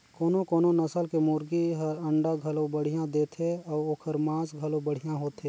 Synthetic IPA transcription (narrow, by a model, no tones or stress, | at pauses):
koːnõkoːnonɐsəlkemʊɾɡiɦɐɾɐ̃ɳɖaɡʱɐlõbəɽ̤ijãd̪eːt̪ʰeɔːɾokʰəɾmãːsɡʱɐlõbəɽ̤ijãɦoːt̪e